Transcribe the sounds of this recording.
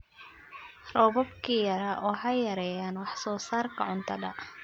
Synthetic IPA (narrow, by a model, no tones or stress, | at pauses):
rɔβɔbkʰiːjɐɾɐʔwɔħɑjːɐɾɛːjaːnwɑħsɔːsaːrkʰɐʕʊnt̪ʰɐdɐ